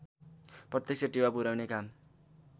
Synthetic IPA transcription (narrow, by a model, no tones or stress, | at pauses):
prʌt̪jʌk̚sʰʌʈewapuɾawnekam